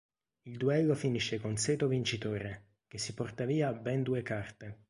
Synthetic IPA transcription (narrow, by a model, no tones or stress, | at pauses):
ild̪uɛlːofiniʃːekonsɛːt̪ovint͡ʃit̪oːɾe | k̟esːipɔrt̪aviːabɛnd̪uːekart̪e